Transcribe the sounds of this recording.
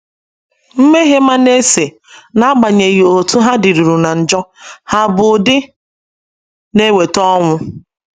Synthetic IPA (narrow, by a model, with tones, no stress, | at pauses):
m̩˦me˦ɦe˦ma˦ne˦se˨ | na˦a˦ɡ͡ba˨ɲe˨ɣi˨o˨tu˦ɦa˦di˨ɾu˨ɾu˨na˨n̩˨d͡ʒɔ˦ha˦bʊ˨dɪ˦ | ne˦we˨tɔ˦ŋʷʊ˦